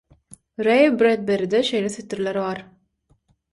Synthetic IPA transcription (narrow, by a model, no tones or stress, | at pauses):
ɾejbɾed̪̚beɾid̪eʃejleθyt̪iɾlʲeɾβɑɾ